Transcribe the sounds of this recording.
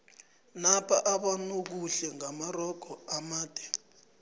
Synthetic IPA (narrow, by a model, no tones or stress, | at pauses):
napʰaʔaɓanuk̬uɬɛŋamarɔɡ̥ʱɔamaːd̥ʱɛ